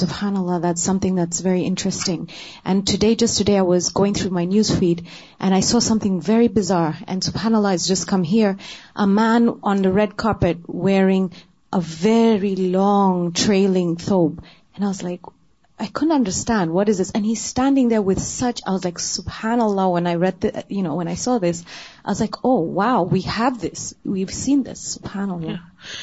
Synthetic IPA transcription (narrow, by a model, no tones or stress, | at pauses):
sʊb̥hanəlˠːɑðætsʌ̃mθɪ̃ŋðætsvɛɹiʔɪ̃nt͡ʃɹ̥ɨstɪ̃ŋ | ʔɨ̃ntʰɨdeɪd͡ʒʌstʰɨdeɪaɪwʌzɡoʊɪ̃ŋθɹumaɪnjʉz̥fiɾ | ʔɨ̃ñaɪsɔsʌ̃mθɪ̃ŋvɛɹibɨzɑɹɨ̰̃nsʊb̥hanəlˠɑɨzd͡ʒʌskʰʌ̃mɦiɹʔəmæ̃nə̃nðɨɹɛd̚kʰɑɹpɨt̚wɛɹɪ̃ŋ | ʔəvɛɹilɔ̃ŋtʰɹ̥eɪlˠɪ̃ŋθoʊb | ɨ̃naɪwʌzlaɪk | ʔaɪkʰʊdⁿn̩tʌ̃ndə˞stæ̃nd̚wʌɾɨzðɪsɨ̃niz̥stæ̃ndɪ̃ŋðə˞wɨð̥sʌt͡ʃaɪwʌzlaɪksupænəloʊwə̃naɪɹɛd̪̚ðjɨnoʊwə̃naɪsɔðɪsaɪwʌzlaɪkʰoʊwaʊwiəvðɪswiv̥sĩnðɪ̰supʰænlo